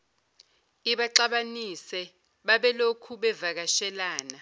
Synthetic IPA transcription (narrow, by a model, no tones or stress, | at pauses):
iɓaǃaɓanisɛ | ɓaɓɛlokʰuɓɛvak̬aʃɛlaːna